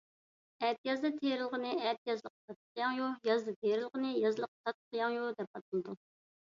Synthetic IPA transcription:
ɛt̪jɑzd̪ɨt̪ʰeɾɪlˠʁənɨɛt̪̚jɑzlˠəq̚t̪ʰɑt̪̚qʰjɑŋjujɑzd̪ɨt̪ʰeɾɪlˠʁənɨjɑzlˠəq̚t̪ʰɑt̪̚qʰəjɑŋjud̪ɛp̚ɑt̪ʰnɨd̪u

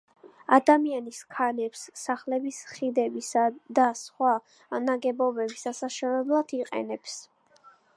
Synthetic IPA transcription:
ad̪amianiskʰanɛpsːaχlɛbisχid̪ɛbisad̪asχwa | naɡɛbɔbɛbisasaʃɛvɛblˠad̪̥iqʼɛ̰nɛps

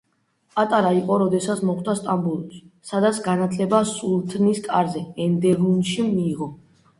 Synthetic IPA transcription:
pʼat̪ʼaɾaiqʼɔɾɔd̪ɛsat̪sʰmɔχt̪ast̪ʼambulˠssad̪at̪sʰɡanat̪ʰlɛbasulˠt̪ʰʼniskʼaɾzɛɛnd̪ɛɾunʃimiːʁɔ

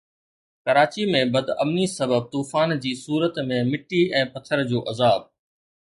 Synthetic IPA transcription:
kɐɾaːt͡ɕimẽbɐd̪ɐ̰mnisɐbəb̚t̪uːfaːnd͡ʑiːsuːɾət̪mẽmɪʈːiɛ̃ːpɐt̪ʰəɾd͡ʑoːʔɐzaːb̚

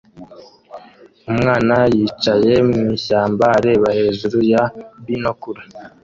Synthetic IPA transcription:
umŋaːnajit͡ʃaje̞mŋiːɕaːmbaɾeβahe̞ːʒuɾujaβinokuɾa

